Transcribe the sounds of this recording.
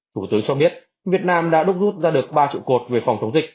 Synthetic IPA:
t̪ʰu˧˩t̪ɨː˨˦t͡ɕɔ˧ɓi˦˥ət̚ | vi˨˩ət̚naː˧mɗa̰ː˧˥ɗʊ˦˥k͡p̚zu˦˥t̚zaː˧ɗɨ˨˩ək̚ɓaː˧t͡ɕḭ˧˨wko˨˩t̚ve˨˩fa˨˩wŋ͡mt̪ə˨˦wŋ͡mzï˨˩k̚

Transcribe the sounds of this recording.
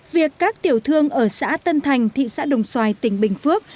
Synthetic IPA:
vi˨˩əkːaː˦˥k̚t̪i˨˩əwt̪ʰɨ˧əŋʔəː˧˩sa̰ː˧˥t̪ə˧nt̪ʰa˨˩jŋ̟t̪ʰḭ˧˨sa̰ː˧˥ɗə˨˩wŋ͡mswaː˧jt̪ï˧˩ŋ̟ɓï˨˩ŋ̟fɨ˦˥ək̚

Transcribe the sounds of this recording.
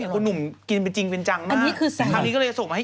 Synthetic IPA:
o˧nu˨˩mki˧np̬e˧nt͡ɕi˧ŋpe˧nt͡ɕa˧ŋmaa˧nː˥iː˦˥kkʰɯː˧sa˨˩kʰa˦˧˩ŋi˦˥kɔ˥˩ɤː˧so˨˩ŋma˧ha˥˩

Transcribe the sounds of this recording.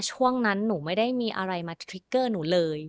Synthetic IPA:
t͡ɕʰu˥˩əŋna˦˥nːuː˩˦ma˥˩jda˥˩jmiː˧ʔa̰˧ɾa˧jmaː˧t̪ʰɾi˦˥kːɤː˥˩nuː˩˦lɤː˧j

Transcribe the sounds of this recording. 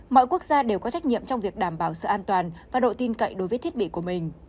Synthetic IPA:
mɔ̰˧˨jku˦˥ək̚zaː˧ɗe˨˩wkɔ˨˦t͡ɕa˦˥jk̟̚ɲḭ˧˨əmt͡ɕɔ˧wŋ͡mvi˨˩ək̚ɗaː˧˩mɓaː˧˩wsɨ̰˧˨ʔaː˧nt̪waː˨˩nvaː˨˩ɗo̰˧˨t̪i˧nkə̰˧˨jɗo˨˦jvəː˨˦jt̪ʰi˦˥ət̚ɓḭ˧˨ku˧˩əmï˨˩ŋ̟

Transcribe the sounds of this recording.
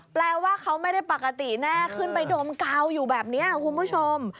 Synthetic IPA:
plɛː˧waː˥˩kʰa˦˥wma˥˩jda˥˩jpa˨˩ka˧t̪i˨˩naː˥˩kʰɯ˥˩npa˧jdoː˧mka˧wjuː˨˩bɛː˨˩p̚niː˦˥ɐkʰu˧nbuː˦˥˩t͡ɕʰo˧m

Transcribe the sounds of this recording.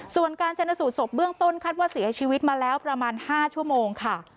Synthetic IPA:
su˨˩ənkaː˧nt͡ɕʰa˧nːa˧suː˨˩t̪̚so˨˩p̚bɯ˥˩əŋt̪o˥˩nkʰaː˥˩t̪̚waː˥˩si˨˩˦ɐt͡ɕʰiː˧wi˦˥t̪̚maː˧lɛː˦˥wpɾa˧maː˧nhaː˥˩t͡ɕʰu˥˩əmoː˧ŋkʰa˥˩

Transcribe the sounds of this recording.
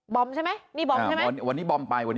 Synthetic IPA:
bɔ˧mt͡ɕʰa˥˩jma˦˥jniː˥˩bɔ˧˥˩m˦˥˧n˥˩wa˧nːiː˦˥˩bɔ˧mpa˧jwa˧nː

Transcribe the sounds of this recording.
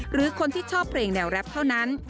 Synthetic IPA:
ɾɯː˩˦kʰo˧nt̪ʰiː˥˩t͡ɕʰɔː˥˩pʰleː˧ŋnɛː˧˩wɾɛ˦˥p̚t̪ʰa˥˩wna˦˥n

